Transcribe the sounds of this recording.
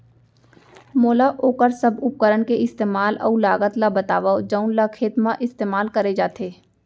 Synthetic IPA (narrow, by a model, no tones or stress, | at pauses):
moːlaʔoːkəɾsɐbʊp̚kəɾəɳkeɪst̪eːmaːlɐ̰ulaːɡət̪labət̪aːʋaod͡ʒəʊnlakʰeːt̪mãʔɪst̪eːmaːlkɐɾed͡ʒaːt̪ʰeː